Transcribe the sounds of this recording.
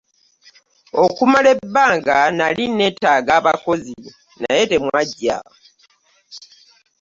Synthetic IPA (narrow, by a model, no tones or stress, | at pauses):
o̞kumale̞bːaːŋɡanaline̞ːtaːɡaːβako̞zi | najete̞mwaɟːa̰